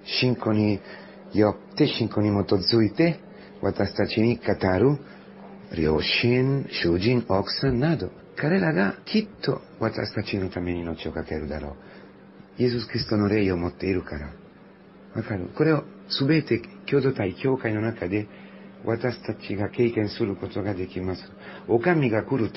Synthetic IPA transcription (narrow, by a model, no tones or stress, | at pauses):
ʃiŋkoni | jɔpt̪eʃiŋkonimot̪od̪zujt̪e | wʔa̰t̪ast̪at͡ʃinikat̪aɾu | ɾjoʃinʃud͡ʒinɔksanːad̪o | kaɾelaɡakʰit̪ːo̰ | wʔat̪a̰st̪at͡ʃinut̪ameninot͡ʃokakɛɾud̪a̰ɾo̰ | jesuskɾist̪onoɾejomot̪ːeɾukaɾa̰ | wakaɾṵkoɾeo | subet̪ekjod̪ot̪ajikjokaɲonakad̪e | wʔat̪ast̪at͡ʃiɡakejkensuɾukot̪okad̪ekimasuokamiɡakuɾut̪